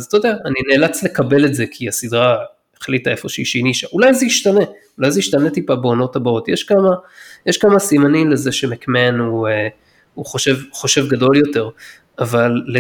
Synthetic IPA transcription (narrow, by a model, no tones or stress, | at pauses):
azt̪od̪eaːnine̞ːlat͡sle̞kabe̞letze̞kʰiasid̪ʁa | eχlitae̞fo̞ʃeiʃeiniʃaʔulajzejiʃtane | ulajzejiʃtane̞t̪ipabeo̞no̞thabaotjeʃkamajeʃkamasimanimle̞ze̞ʃemekme̞nue | uχoʃe̞vχo̞ʃe̞vɡado̞ljo̞te̞ʁ | avalːe